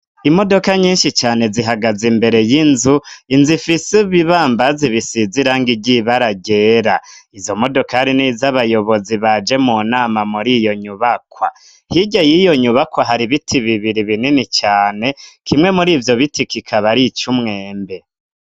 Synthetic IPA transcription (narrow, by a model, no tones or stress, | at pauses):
imo̞do̞kaɲiːnʃit͡ʃaːne̞ziɦaɡazimbe̞ɾe̞jinzuinzifisiβiβaːmbaziβisiziɾaŋɡiɟiβaɾaɡe̞ːɾaizo̞mo̞do̞kahaɾinizaβajo̞βo̞ziβad͡ʒe̞munaːmamuɾijo̞ɲuβakwa̰ | hiɟajijo̞ɲuβakwaɦaɾiβitʰiβiβiɾiβininit͡ʃaːne̞kʰimŋe̞muɾiːvjo̞βitikikʰaβaɾit͡ʃumŋe̞ːmbe̞